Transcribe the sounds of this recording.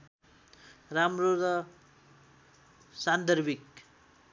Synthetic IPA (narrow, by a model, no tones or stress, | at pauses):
ramroɾʌ | sand̪ʌɾbʱik